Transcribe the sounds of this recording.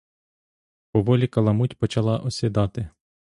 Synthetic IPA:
pɔʋɔlʲikɐlˠɐmutʲpɔt͡ʃɐlˠɑʔɔsʲid̪ɑt̪ɪ

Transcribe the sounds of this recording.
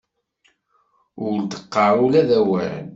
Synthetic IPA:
ʊɾd̪ə̥qːɑɾˤulæðæwæ̰ʕ̰n

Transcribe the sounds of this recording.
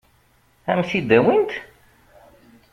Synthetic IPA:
æmsid̪æwint̪

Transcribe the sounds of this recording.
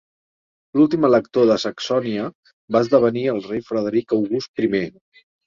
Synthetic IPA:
lulˠt̪imələkt̪oðəsəksɔniə | baəzðəβ̞əniəlˠrejfɾəð̞əɾikəwɣust̪̚pɾime

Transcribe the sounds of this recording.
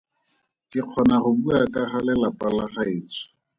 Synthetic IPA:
kɪq͡χʰɔnaχʊbuakʼaχalɛlapʼalaχaɪːt͡sʰɔ̥

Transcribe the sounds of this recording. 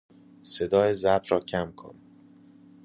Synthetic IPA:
se̞d̪ɒːjezæɾbɾɒːcʰæmkʰo̰n

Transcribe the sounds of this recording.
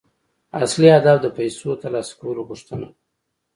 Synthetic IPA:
asliad̪ɑfd̪əpajsot̪alɑskawəloɣuʂt̪əna

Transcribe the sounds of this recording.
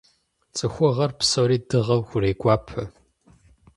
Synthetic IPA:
t͡sʼɨxʷɔʁɐrpsoɾiːdɨʁɐwxʷʊreːkʷʼɑːpʰɐ

